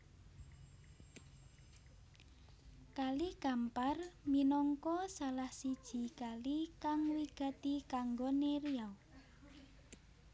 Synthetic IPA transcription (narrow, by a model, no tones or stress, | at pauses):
kaliɡ̥amparminɔŋkɔsalahsid̥ʒ̥i̤kalikaŋwiɡ̥a̤t̪ikaŋɡoneɾiaw